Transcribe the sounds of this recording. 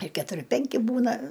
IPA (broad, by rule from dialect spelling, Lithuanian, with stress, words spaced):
ɪr kʲɛtʊˈrʲɪ ˈpʲɛŋʲkʲɪ ˈbuːnɐ